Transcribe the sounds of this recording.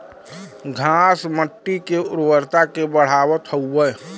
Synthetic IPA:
ɡʱaːsməʈːikeʊɾwəɾt̪akebəɽ̤aːwət̪ʰəuːə

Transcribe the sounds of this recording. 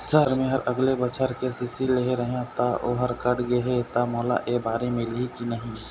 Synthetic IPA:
səɾmẽɦɐɾɐɡlebət͡ʃʰəɾkesɪsileɦeɾəɦãt̪aʔoːɦəɾkəɽɡeɦet̪amɔːla̰ʔeːbaːɾemɪlikinəɦĩ

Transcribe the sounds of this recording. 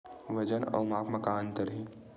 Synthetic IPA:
ʋɐd͡ʒənɔ̰ːmaːpmɐkaːnt̪əɾɦĩ

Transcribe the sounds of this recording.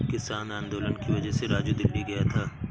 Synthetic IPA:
kɪsaːnãːnd̪oːlənkiʋɐd͡ʒəɦseɾaːd͡ʒud̪ɪlːiɡɐjat̪ʰaː

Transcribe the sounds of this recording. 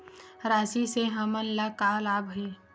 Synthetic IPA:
ɾaːsiseɦəmənlakaːlaːbʱi

